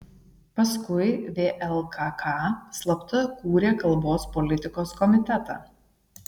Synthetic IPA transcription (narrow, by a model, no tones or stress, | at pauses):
pɐskʊɪʋʲeːʔɛlˠkʰɑːkʰɑslˠɐpt̪ɐkuːɾʲeːkɐlˠboːspɔlʲɪt̪ʲɪkoːskɔmʲɪt̪ʲɛt̪ɑ̰ː